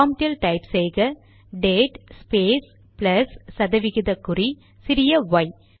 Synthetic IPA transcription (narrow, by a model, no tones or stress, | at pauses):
aːmʈɪlʈɐɪpseːɣɐ | ɖeːʈspeːs | plɐsːɐðɐʋɪɣɪðɐkːʊri | sɪɾɪjɐʋɐɪ